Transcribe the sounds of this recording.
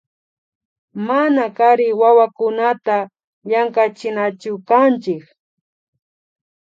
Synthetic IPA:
manakaɾɪwawakʊnat̪a | jaŋkat͡ʃɪnat͡ʃʊkant͡ʃɪk

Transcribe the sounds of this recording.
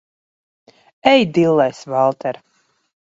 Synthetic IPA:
ɛjd̪ilˠːɛjsvalˠt̪ɛɾ

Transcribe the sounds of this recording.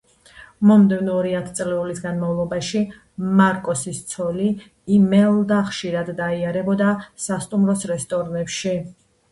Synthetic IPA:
mɔmd̪ɛvnɔːɾiat̪ʰt̪sʼlɛulisɡanmavlˠɔbaʃi | maɾkʼɔsist̪sʰɔliː | mɛlˠd̪aχʃiɾad̪ːaiaɾɛbɔd̪asast̪ʼumɾɔsɾɛst̪ʼɔɾnɛpʃi

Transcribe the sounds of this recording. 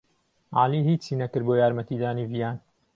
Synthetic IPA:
ʔa̰ːliːhiːt͡ʃiːnɐkɨɾboːjaːɾmɐt̪iːd̪aːniːvijaːn

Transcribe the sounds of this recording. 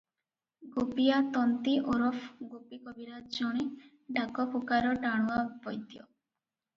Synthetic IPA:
ɡopijat̪ɔnt̪iʔoɾɔfʰɡopikɔbiɾad͡ʒɔɽ̃e | ɖʱakɔpʰukaɾɔʈaɽ̃uabɔjt̪jɔ̰

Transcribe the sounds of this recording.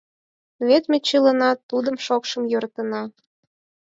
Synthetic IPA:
βet̪met͡ɕələnɑt̪ud̪əmʃokʃəmjøɾt̪ə̆nɑ

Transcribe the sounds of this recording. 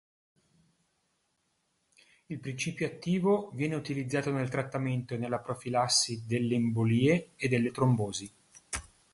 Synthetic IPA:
ilpɾint͡ʃiːpjoat̪ːiːvovjɛːneut̪ilid̪zːaːt̪onelt̪ɾat̪ːament̪oenelːapɾofilasːid̪elːeimboliːeed̪ːelːet̪ɾomboːzi

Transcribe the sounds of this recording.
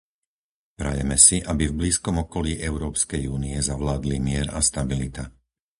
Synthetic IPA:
pɾa̰jɛ̰mɛsiʔabivbliːskɔmɔkɔliːʔɛʊɾɔːpskɛjuːniɛzaʋlaːd̪limɪɛɾa̰st̪abilit̪a

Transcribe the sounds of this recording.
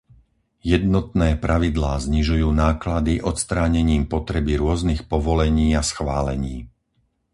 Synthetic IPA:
jɛd̪nɔt̪nɛːpɾʔaʋid̪laːzɲiʒujuːnaːklad̪iʔɔt̪st̪ɾaːɲɛɲiːmpɔt̪ɾɛbiɾʊɔznixpɔʋɔlɛɲiːasxʋaːlɛɲiː

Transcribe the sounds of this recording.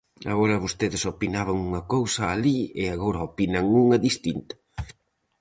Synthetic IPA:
a̰ɣoɾɐβost̪eðɪsopinaβɐŋuŋɐkowsɐːliɪaɣoɾɐopinɐŋuŋɐðist̪int̪ɐ̥

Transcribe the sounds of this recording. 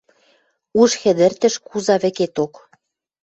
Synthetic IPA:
uʃxɘ̆d̪ə̆rt̪ə̆ʃkuzɑβɘ̆ket̪ok

